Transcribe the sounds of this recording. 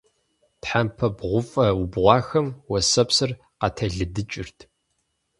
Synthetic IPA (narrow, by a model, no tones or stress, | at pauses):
tħampʰɐbʁʷʊfʼɐubʁʷɑːxɐmwɔsɐpsɨr | qɑtʰɐɮɨdɨt͡ʃʼɪrtʰ